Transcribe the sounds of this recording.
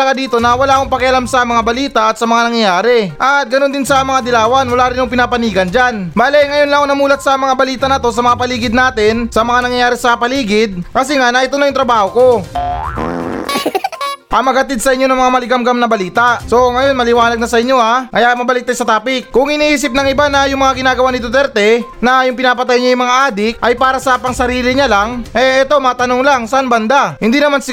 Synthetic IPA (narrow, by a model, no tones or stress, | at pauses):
ɐɡad̪iːt̪o̞nɐwɐlaːkoŋpɐkɪʔɐlamsɐmɐŋabɐliːt̪ɐʔɐt̪sɐmɐŋanɐŋjɐjaːɾɛʔɐt̪̚ɡɐno̞nd̪ɪnsɐmɐŋad̪ɪlaːwɐnwɐlaːɾɪnjʊŋpɪnapɐniːɡɐnd͡ʒanbaːlɛŋɐjo̞nlɐŋoŋnɐmuːlɐt̪̚sɐmɐŋabɐliːt̪ɐnɐt̪o̞s̬ɐmɐŋapɐliːɡɪd̪̚naːt̪ɪnsɐmɐŋanɐŋjɐjaːɾɛsɐpɐliːɡɪd̪̚kɐs̬ɛŋanɐʔɪt̪o̞nɐjʊŋt̪ɾɐbaːho̞ko̞ | ʔɐŋmɐɡ̚hɐt̪ɪd̪̚sɐʔɪɲːo̞nɐŋmɐŋamɐlɪɡamɡɐmnɐbɐliːt̪ɐʔso̞ŋɐjo̞nmɐlɪwaːnɐɡ̚nɐsɐʔɪɲːo̞akɐjamɐbɐlɪk̪̚ajsɐt̪aːpɪk̚kːʊŋɪniːʔiːs̬ɪp̚nɐŋɪbanɐjʊŋmɐŋaɡɪnaːɡɐwanɪt̪ʊt̪ɛɾt̪ɛnɐjʊŋpɪnaːpɐt̪ajɲajʊŋmɐŋaʔaːd̪ɪk̚ʔɐjpaːɾɐsɐpɐŋsɐɾiːlɪɲalaŋʔɛʔɛt̪o̞mat̪ɐnoŋlaŋsɐʔanbɐnd̪ahɪnd̪inɐmansɪ